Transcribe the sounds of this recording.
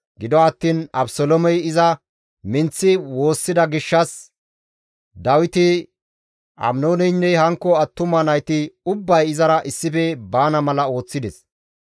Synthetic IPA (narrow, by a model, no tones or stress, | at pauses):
ɡɪd̪ɔɐt̪ːiːnɐ̰bsɔlɔmɛjɪzɐ | mɪnt͡sːɪwo̞ːsːɪd̪ɐɡɪʃːɐs | d̪ɐwɪt̪ɪ | ʔɐ̰mnoːnɛjnːɛhɐŋkːɔɐt̪ːʊmɐnɐjt̪ɪʊbːɐjɪzɐɾɐʔɪsːɪfɛbaːnɐmɐlɐo̞ːt͡sːɪd̪ɛs